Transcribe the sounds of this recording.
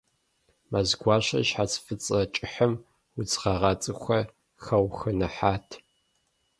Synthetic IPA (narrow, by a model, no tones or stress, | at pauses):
mazɡʷɑːɕɐ̰ʃħat͡sʰfɨt͡sʼɐt͡ʃʼɪħəm | wʊt͡sʁɐʁɑt͡sʼɨxʷɐ | xɐwxɐnɐħaːtʰ